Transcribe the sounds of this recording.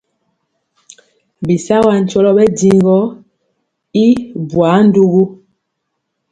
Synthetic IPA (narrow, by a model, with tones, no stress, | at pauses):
bi˨sa˦wa˦˨n̩˨t͡ʃɔ˦lɔ˦bɛ˦di˨ŋ˦ɡɔ˦ | i˦bwa˨˦n̩˦du˦ɣu˦